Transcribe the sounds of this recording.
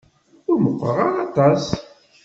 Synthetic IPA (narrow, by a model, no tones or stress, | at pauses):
ʊɾməqʷːəɾəʁɑʁɑt̪ˤɑs